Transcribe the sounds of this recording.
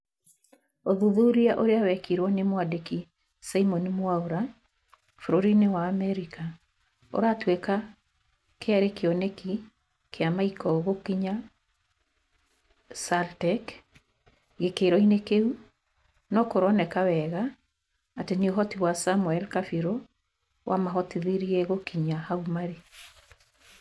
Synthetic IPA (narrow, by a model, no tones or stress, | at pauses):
oðuðuɾiaʔoɾeawɛkiɾwɔnemwadeki | saimɔnimwauɾa | fuɾoɾinewaːmɛɾika | o̰ɾatweka | keaɾekeɔneki | kʰeamaikɔɣokiɲa | saltɛk | ɣekeɾɔinekeu | nɔkoɾɔnɛkawɛɣaː | tenioɦɔtiwasamwɛlkafiɾo | wʔa̰maɦɔtiðiɾiɛɣokiɲahaumaɾe